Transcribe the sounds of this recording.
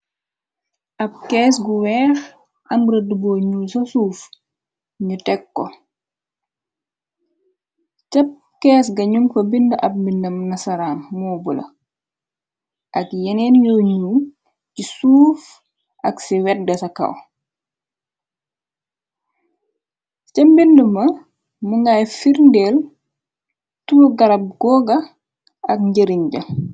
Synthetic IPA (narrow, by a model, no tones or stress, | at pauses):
ʔɐp̚kɛːsɡuwɛːx | ʔɐmbɾɐdubɔːɲuːsɐsuːf | ɲutɛkːɔ̰ | cɐp̚ | kɛːs̬ɡɐɲumfɐbindɐʔɐp̚minɐmnɐsɐɾaːmmɔːbulɐ̰ | ʔakjɛnɛnjɔɲum | cisuːf | ʔaksɛwɛt̚ɡɛsaka̰w | t͡ʃambindumɐ | muŋɡajfiɾndɛl | tuɡaɾab̚ɡ̥ɔɡa | akɲɟəɾiɲɟa